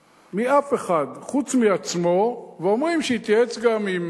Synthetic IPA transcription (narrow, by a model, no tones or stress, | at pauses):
miʔafe̞χad̪χut͡smiat͡smo̞veomʁimʃeit̪jaet͡sɡamim